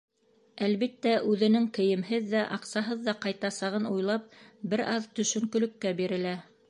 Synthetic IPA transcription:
ælβit̪ːæʔʉðɘ̆nɘŋkɘ̆jɘ̆mɦɘðːæʔɑqsɑɦɤðːɑqɑjt̪ɑsɑʁɤnujlˠɑp̚bɘɾʔɑðt̪ɵ̆ʃɵ̆ŋkɵ̆lɵ̆kːæbiɾɘ̆læ

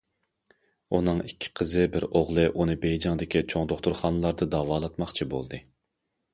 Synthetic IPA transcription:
unɨŋikʲʰːɪ̥qʰəzɨbɪɾoʁlˠɨʔunɨbejd͡ʒɑŋd̪ɪkʲit͡ʃʰoŋd̪oχt̪ʊɾχɑːnɨlˠɑɾd̪ɨd̪ɑːvɑːlˠɑt̪mɑχt͡ʃʰibo̰lˠd̪ɨ

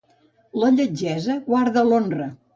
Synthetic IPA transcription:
ləʎəd͡ʒɛzəɣwaɾðəlonrə

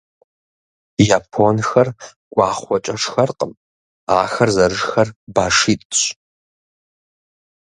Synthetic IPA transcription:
jaːpʰonxɐr | ɡʷʼɑːχʷɔt͡ʃʼɐʂxɐrqʼəm | aːxɐrzɐɾɨʐxɐrbaːʂiːtʼɕ

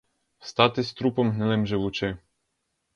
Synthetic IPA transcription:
st̪ɑt̪ɪsʲt̪ɾupɔmɦnɪlɛmʒɪwut͡ʃɪ

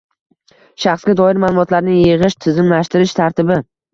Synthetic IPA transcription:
ʃaχsɡʲad̪ɒɪɾmaːlˠʊmɒt̪laɾnɪŋjɪʁɪʃt̪ʰɪzɪmlaʃt̪ɪɾɪʃt̪ʰaɾt̪ʰɪbɪ

